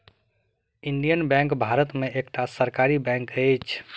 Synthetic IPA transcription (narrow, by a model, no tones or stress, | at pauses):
inɖijənbɛ̃ŋkbʱaɾət̪meʔekʈasəɾkaɾibɛ̃ŋkəɪt͡ʃʰ